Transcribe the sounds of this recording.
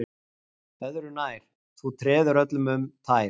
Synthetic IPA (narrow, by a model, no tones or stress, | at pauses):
œðɾʏnaːjɾ̥ | θut̪ʰɾɛːðʏɾœt̪lʏmʏmt̪ʰaːj